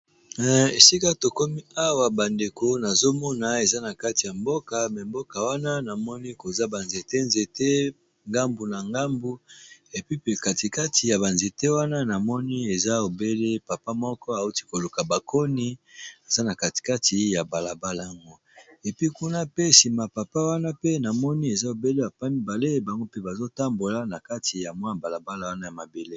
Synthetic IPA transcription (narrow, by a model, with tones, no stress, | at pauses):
e˨si˦ka˦to˨ko˦mi˦a˦wa˨ba˨nde˨ko˦na˨zo˦mɔ˦na˨e˨za˦na˨ka˦ti˨ja˨mbo˦ka˨mɛ˨mbo˦ka˨wa˦na˦na˨mɔ˦ni˦ko˨za˦ba˨nze˨te˦nze˨te˦ | ŋɡa˦mbu˨na˨ŋɡa˦mbu˦e˨pi˦pe˨ka˨ti˨ka˦tʰi˨ja˨ba˨nze˨te˦wa˦na˦na˨mɔ˦ni˦e˨za˦o˨be˦le˦pa˨pa˦mɔ˦kɔ˦a˨u˦ti˦ko˨lu˨ka˨ba˨kʰo˦ni˦a˨za˦na˨ka˨ti̥˨ka˦ti˨ja˨ba˨la˨ba˦la˨ja˨ŋɡo˦ | e˨pi˦ku˦na˦pe˦si˨ma˨pa˨pa˦wa˦na˦pe˦na˨mɔ˦ni˦e˨za˦o˨be˦le˦a˨pa˦ni˦ba˨le˦ba˨ŋɡo˦pe˦ba˨zo˦ta˦mbo˨la˦na˨ka˦ti˨ja˨mwa˦na˨ba˨la˨ba˦la˨wa˦na˦ja˨ma˨be˨le˦